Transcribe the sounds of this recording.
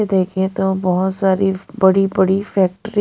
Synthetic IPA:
ed̪eːkʰẽt̪obɔɦʊt̪saːɾibɐɽibəɽifɛːk̚ʈɾi

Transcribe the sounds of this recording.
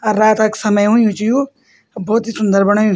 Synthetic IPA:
ɐɾːaːt̪ɐksɐməjɦũjũt͡ʃijũ | bʱɔːt̪ɦisʊnd̪əɾbɐɽ̃aːjũ

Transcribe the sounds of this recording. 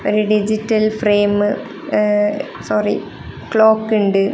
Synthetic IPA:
oɾuɖid͡ʑitːɐlfreːmɨ | soːrḭ | kɭoːkːuɳɖɨ

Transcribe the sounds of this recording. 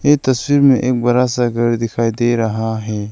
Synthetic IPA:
et̪ɐswiɾmẽʔek̚bɐɾaːsaɡɐɾd̪ikʰaːid̪eɾaɦãːɦe

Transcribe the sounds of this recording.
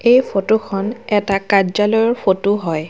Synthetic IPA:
ejpotukʰɔnɛtakazalɔjɔɹfʰotuɦɔj

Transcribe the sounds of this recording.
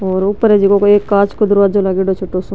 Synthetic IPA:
ɔːɾʊpːəɾed͡ʒikokoeːkːaːt͡ʃkod̪ʊɾaːt̪̚d͡ʒolaːɡeɖot͡ʃʰoʈːoso

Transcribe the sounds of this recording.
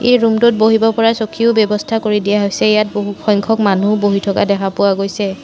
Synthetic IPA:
ejɹumtut̚boɦibɔpɔɹasɔkʰiʊbjɔbɔstʰakoɹidijaɦojsɛejat̚boɦuxɔjŋkʰɔkmanuboɦitʰɔka̰dɛkʰapʊwaɡojsɛ

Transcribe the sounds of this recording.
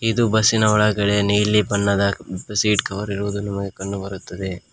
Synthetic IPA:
id̪ubɐsinɐɔɭɐɡɐɽenijlːibɐnːɐd̪ɐbsiːʈkɐʋɐɾiɾuʋud̪unɐmɐɡe̞kɐɳɖubɐɾut̪ːɐd̪e̞

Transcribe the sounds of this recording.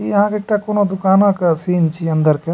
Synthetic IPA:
iɦãːkekʈːakonod̪ukaːnaːkɐsiːnt͡ʃiɐnd̪ɐɾke

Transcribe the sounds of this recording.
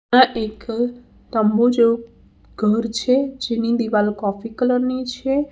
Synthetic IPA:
ãʔek | t̪əmbod͡ʒeo | ɡʱəɾt͡ʃʰed͡ʒenid̪iʋalkɔfikələɾnit͡ʃʰe

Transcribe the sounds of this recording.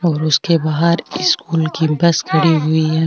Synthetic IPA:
ɔːɾʊskebaːɦəɾɪskuːlkibɐskʰɐɽiɦʊiɦɛ

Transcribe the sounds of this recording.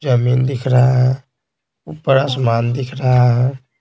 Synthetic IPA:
d͡ʒəmind̪ikʰɾaɦ | upːəɾas̬maːnd̪ikʰɾaɦã

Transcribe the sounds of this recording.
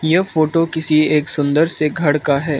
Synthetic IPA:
jɛfoːʈokɪsieːksʊ̃nd̪əɾseɡʱɐɽkaɦɛː

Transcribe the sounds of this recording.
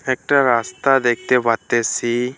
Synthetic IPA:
ek̚ʈaɾaːst̪ad̪ek̚ʰt̪ebʱat̪ːesi

